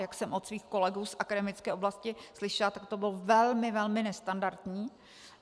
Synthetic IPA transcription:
jaksɛmʔot̪sviːxko̞lɛɡuːsʔakadɛmɪt͡skɛːʔoblascɪslɪʃɛlat̪ak̚t̪o̞bɪlovɛlmɪvɛlmɪnɛst̪andaɾt̪ɲiː

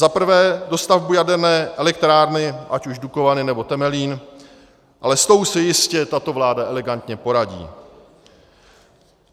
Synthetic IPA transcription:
zapr̩vɛːdo̞st̪avbujadɛɾnɛːʔɛlɛk̚t̪ɾaːɾnɪʔacuʒduko̞vanɪnɛbo̞t̪ɛmɛliːn | ʔalɛst̪o̞usɛjɪscɛt̪at̪o̞vlaːdaʔɛlɛɡant̪ɲɛpo̞ɾaɟḭː

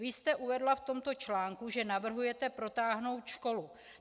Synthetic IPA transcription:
vɪst̪ɛʔuvɛdlaft̪o̞mt̪o̞t͡ʃlaːŋkuʒɛnavr̩ɦujɛt̪ɛpɾo̞t̪aːɦno̞wt̪ʃko̞lu

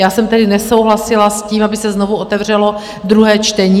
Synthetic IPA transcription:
jaːsɛmt̪ɛdɪnɛso̞wɦlasɪlasciːmabɪsɛzno̞vuo̞t̪ɛvr̝ɛlo̞ | d̪ɾuɦɛːt͡ʃt̪ɛɲiː

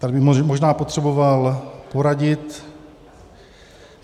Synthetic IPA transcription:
t̪adbɪmoʒnaːpo̞t̪r̥ɛbo̞valpo̞ɾaɟɪt̪

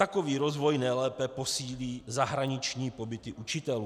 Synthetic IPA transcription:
t̪akoviːɾo̞zvo̞jnɛjlɛːpɛpo̞siːliːzaɦɾaɲɪt͡ʃɲiːpo̞bɪt̪ɪʔut͡ʃɪt̪ɛluː

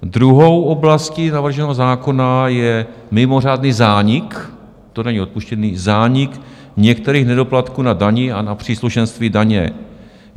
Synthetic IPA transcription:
d̪ɾuɦowʔo̞blascinavr̩ʒɛnɛɦozaːko̞najɛmɪmo̞r̝aːdniːzaːɲɪk | t̪onaɲio̞t̪̚puʃcɛniːzaːɲɪk | ɲɛkt̪ɛɾiːxnɛdo̞plat̪kuːnadaɲɪanapr̝̥iːsluʃɛnst̪viːdaɲɛ̰

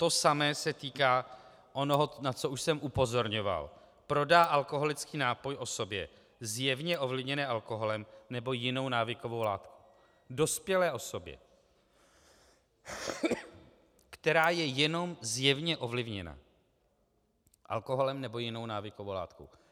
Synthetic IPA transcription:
t̪o̞samɛːsɛt̪iːkaː | ʔonoɦonat͡so̞uʃsɛmʔupo̞zo̞ɾɲo̞va̰l | pɾo̞daːʔalko̞ɦo̞lɪt͡skiːnaːpo̞jʔo̞so̞bjɛ̰ | zjɛvɲɛʔo̞vlɪvɲɛnɛːʔalko̞ɦo̞lɛmnɛbo̞jɪno̞wnaːvɪko̞vo̞wla̰ːt̪ku | do̞spjɛlɛːʔo̞so̞bjɛ̰ | kt̪ɛɾaːjɛjɛno̞mzjɛvɲɛʔovlɪvɲɛ̰na̰ | ʔa̰lko̞ɦo̞lɛmnɛbo̞jɪno̞wnaːvɪkovowla̰ːt̪ko̰w

